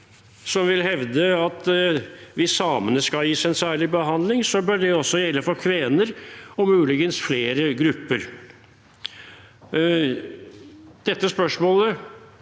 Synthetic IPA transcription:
sɔmʋɪlhɛʋd̪əɑt̪ | ʋɪsɑːmənəskɑljiːsɛnsæːɭɪbəɦɑnd̪lɪŋsɔbœɖɛɔsːɔjɛlːəfɔɾkʰʋeːnəɾɔmʉːlɪɡənsfleːɾəɡɾʉpːəɾ | d̪̥ɛt̪ːəspœʂmoːlə

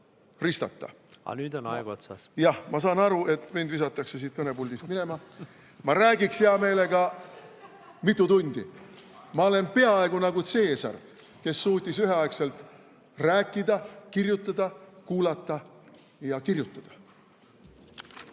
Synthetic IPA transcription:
rist̪ɑ̰t̪ːɑ̰ | ɑ̰nyːd̪onɑ̰eɡ̥ot̪sɑsjɑhmɑs̬ɑːnɑɾuʔe̞t̪ːˑmind̪vis̬ɑt̪ːˑɑkse̞siːt̪̚kɤne̞pulʲd̪ist̪̚mine̞mɑ | mɑɾæːɡikseɑme̞ːle̞ɡ̥ɑ | mit̪ːˑut̪unʲd̪̥ḭ | mɑo̞le̞npe̞ɑe̞ɡunɑɡut̪se̞ːsɑ̰r | ke̞sːuːt̪ʲːˑisyɦe̞ɑekse̞lt̪ | ræːkˑːid̪ɑkirjut̪ːˑɑd̪̥ɑkuːlɑt̪ːˑɑ | jɑkirjut̪ːˑɑd̪̥ɑ̥

